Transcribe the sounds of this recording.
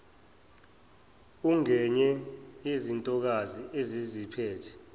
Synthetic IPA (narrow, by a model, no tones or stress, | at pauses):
uŋɛɲɛezintʼɔk̬aziezizipʰɛːtʰɛ̥